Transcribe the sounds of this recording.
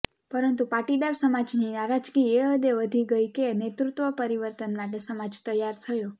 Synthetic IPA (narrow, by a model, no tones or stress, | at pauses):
pəɾənt̪upaʈid̪aɾsəmad͡ʒninaɾad͡ʒɡieəd̪eʋəd̪ʱiɡəjkenet̪ɾut̪ʋəpəɾiʋəɾt̪ənmaʈesəmad͡ʒt̪əjaɾt̪ʰəjo